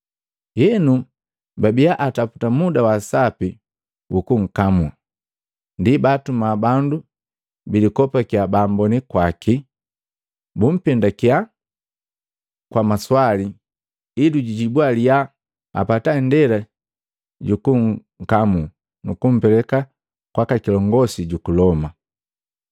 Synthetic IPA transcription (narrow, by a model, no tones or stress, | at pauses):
jɛnu | babijaʔatapu̥tamudawasapi | ukuŋ̩kamu | ndibatumabandu | bilikɔpakiabaːmbɔnikwaki | bum̩pɛndakia | kwamaswali | iduɟiɟibwalija | a̰patandɛla | ɟukuŋ | kamu | nukum̩pɛlɛka | kwakakilɔŋɡɔsiɟukulɔma